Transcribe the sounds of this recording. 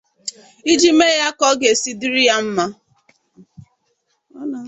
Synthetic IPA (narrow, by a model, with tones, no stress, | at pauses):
i˦d͡ʒi˦me˦ja˦kɔ˦ɡe˨si˦di˦ɾi˦ja˦m̩˦ma˦ | na˨